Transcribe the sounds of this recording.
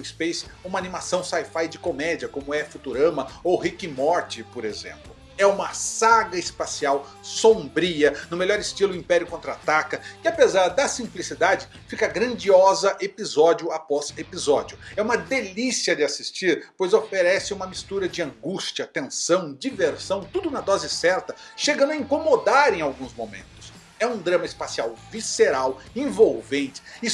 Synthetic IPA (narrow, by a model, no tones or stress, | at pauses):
ispejsũmɐanĩmasɐ̃w̃sajfajd͡ʒɪkomɛd͡ʒiɐkõmʊɛfut̪uɾɐ̃mɐowɦikimɔɾt͡ʃɪpoɾezḛ̃mplʊ | ɛũmɐsaɡɐɪspasiaw | sõmbɾiɐnʊmeʎɔɾɪst͡ʃilʊĩpɛɾjʊkõnt̪ɾat̪akɐkɪapezaɾd̪ɐsĩmplisid̪ad͡ʒɪ | fikɐɡɾɐ̃nd͡ʒiɔzɐʔepizɔd͡ʒiʊapɔzepizɔd͡ʒiʊɛũmɐd̪elisiɐd͡ʒɪasist͡ʃiɾpojzofeɾɛsɪũmɐmist̪uɾɐd͡ʒɪɐ̃ŋɡust͡ʃɐt̪ẽsɐ̃w̃d͡ʒiveɾsɐ̃w̃t̪ud̪ʊnɐd̪ɔzɪsɛɾt̪ɐʃeɡɐ̃nʊɐĩkomod̪aɾẽj̃awɡũzmomḛ̃nt̪ʊ̥s | ɛũd̪ɾɐ̃mɐɪspasiawviseɾawẽvowvẽnt͡ʃɪ̥i